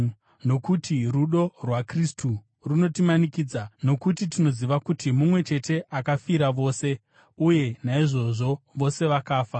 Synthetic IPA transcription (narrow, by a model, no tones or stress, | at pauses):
no̞kutʰiruɗo̞rwakristʰu | runo̞timanikiːd͡zano̞kutitino̞ziʋakutimumwe̞t͡ʃe̞te̞ʔakafiɾaʋo̞ːse̞ | uje̞naiʐo̞ʐo̞ʋo̞se̞ʋakaːfa